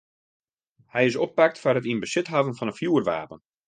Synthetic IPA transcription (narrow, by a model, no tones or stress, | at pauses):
hɛjɪsopːak̚tfarɦətinbəsɪtɦavənfɔnəfjuərʋa̰ːpən